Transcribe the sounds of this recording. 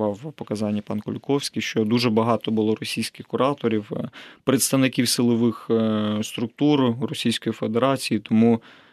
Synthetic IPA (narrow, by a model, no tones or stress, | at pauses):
ɑwpɔkɐzɑnʲːipɑnkʊlʲʊkɔwsʲkʲijʃt͡ʃɔd̪uʒɛbɐɦɑt̪ɔbʊlˠɔɾɔsʲijsʲkɪxkʊɾɑt̪ɔɾʲiwpɾet̪st̪ɐʋnɪkʲiwsɪlˠɔʋɪxst̪ɾʊkt̪uɾrɔsʲijsʲkɔjifed̪eɾɑt͡sʲijit̪ɔmu